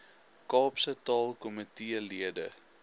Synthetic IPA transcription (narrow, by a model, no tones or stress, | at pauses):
kɑːpsətɑːlˠkɔmətiəliədə̰